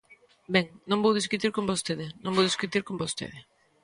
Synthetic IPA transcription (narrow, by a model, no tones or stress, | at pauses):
bɛŋnõŋbowðis̬kut̪iɾkõmbost̪eðɪnõŋbowðiskut̪iɾkõmbost̪ḛðɪ